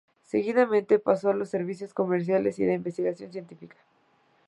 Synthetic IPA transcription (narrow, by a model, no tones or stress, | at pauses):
se̞ɣiðamẽnt̪epaso̞alo̞sːe̞ɾβis̬jo̞sko̞meɾs̬jale̞sḭlaimbe̞st̪iɣasjo̞nsje̞nt̪ifikḁ